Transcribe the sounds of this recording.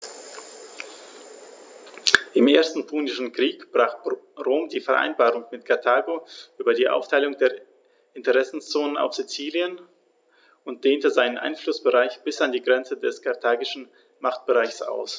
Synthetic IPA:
ʔɪmʔeːɐstn̩pʰuːnɪʃn̩kʁ̥iːkb̥ʁaːχʁoːmdiːfɛɐʔa̰ɪnbaːʁʊŋmɪtkʰaɐtʰaːɡoʔyːbɐdiːʔa̰ʊftʰaɪlʊŋdeːɐ | ʔɪntəʁɛsn̩st͡soːnəna̰ʊfz̥it͡siːljən | ʔʊnt̚d̥eːntəzaɪnənʔa̰ɪnflʊsb̥əʁaɪçb̥ɪsandiːɡʁɛnt͡sədɛskʰaɐtʰaːɡɪʃn̩ | maχt̚b̥əʁaɪçsʔa̰ʊs

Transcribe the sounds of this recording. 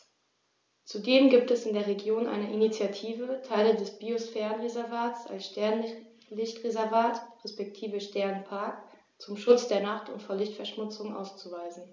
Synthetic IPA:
t͡sudeːmɡiːp̚tɛsɪndeːɐʁ̞eɡjoːnʔa̰ɪnəʔinit͡sjatʰiːvətʰaɪlədɛsb̥iosfɛːʁənʁezɛɐvaːtsa̰lsʃtɛɐn | lɪçtʁezɛɐvaːtʁɛspɛk̚tʰiːvəʃtɛɐnpʰaɐk | t͡sʊmʃʊt͡sd̥eːɐnaχtʰʊ̰ntfoːɐlɪçtfɛɐʃmʊt͡sʊŋʔa̰ʊst͡suvaɪzn̩

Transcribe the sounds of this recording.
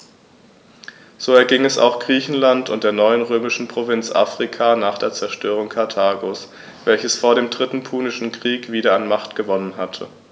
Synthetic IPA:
z̥oːɛɐɡɪŋɛsa̰ʊxɡ̥ʁiːçn̩lantʊ̰ntd̥eːɐnɔʏənʁøːmɪʃn̩pʁ̥ovɪnt͡sʔa̰ːfʁ̥ikʰaːnaːχd̥eːɐt͡sɛɐʃtøːʁ̞ʊŋkʰaɐtʰaːɡoːs | v̥ɛlçəsfoːɐɾeːmdʁɪtn̩pʰuːnɪʃn̩kʁ̥iːkv̥iːɾɐanmaχtɡ̥əvɔnənɦatʰə

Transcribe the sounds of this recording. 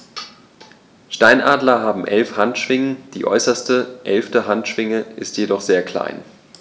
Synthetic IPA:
ʃtaɪnʔaːdlɐɦaːbm̩ʔɛlfhantʃv̥ɪŋənd̥ḭːʔɔ̰ʏsɐstəʔɛlftəɦantʃv̥ɪŋəʔɪstjedɔχz̥eːɐkl̥a̰ɪn

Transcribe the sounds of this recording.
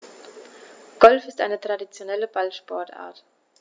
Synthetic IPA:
ɡ̥ɔlfɪstʔaɪnətʁ̥adit͡sjonɛləbalʃpɔɐta̰ːɐt

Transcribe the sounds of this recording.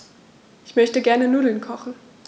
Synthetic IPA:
ʔɪçmœçtəɡɛɐnənuːdl̩nkʰɔχn̩

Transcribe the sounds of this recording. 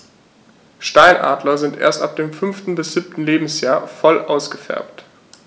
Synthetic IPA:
ʃtaɪnʔa̰ːdlɐzɪntʔḛːɐstʔa̰p̚d̥eːmfʏnftn̩bɪsz̥iːp̚tn̩leːbm̩sjaːɐfɔlʔaʊsɡ̥əfɛ̰ɐpt

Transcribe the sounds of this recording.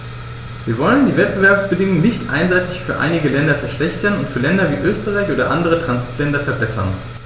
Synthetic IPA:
viːɐvɔləndiːvɛt̚b̥əvɛɐpsb̥ədɪŋʊŋnɪçtʔa̰ɪnzaɪtɪçfyːɐʔa̰ɪnɪɡəlɛndɐfɛɐʃlɛçtɐnʊntfyːɐlɛndɐviːʔøːstəʁaɪçʔoːdɐʔa̰ndəʁ̞ətʁ̥anziːtʰlɛndɐfɛɐbɛsɐ̰n

